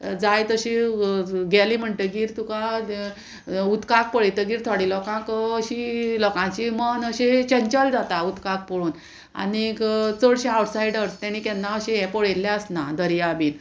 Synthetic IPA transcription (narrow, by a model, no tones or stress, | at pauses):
d͡zajt̪əɕi | ɡɛlim̤əɳʈ̪eɡiːɾt̪ũka | ut̪kak̚pəɭet̪əɡiːɾt̪ʰaɽilɔkãkəɕilɔkãt͡ɕimənəɕet͡ɕəɲt͡ɕəld͡zat̪aut̪kak̚pəɽuːn | a̰nikt͡səɽɕeawʈsaiɽəɾt̪ɛñikɛnːaəɕẽɛpəɭelːɛ̃əsnad̪əɾjabiːn